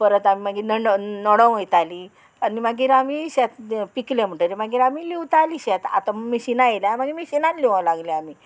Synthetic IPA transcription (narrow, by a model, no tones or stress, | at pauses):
pəɾət̪amimaɡiːnəɖnɔɽəwəjt̪ali | animaɡiːɾamiɕat̪piklãm̤əʈəɾimaɡiːɾamiliwt̪aliːɕat̪a̰t̪amiɕinajeljamaɡimiɕinãnliʋãlaɡlɛami